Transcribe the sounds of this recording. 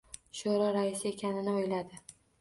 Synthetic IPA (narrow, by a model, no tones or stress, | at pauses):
ʃoɾɒɾaɪsɪe̞kʲʰanɪnɪojlad̪ɪ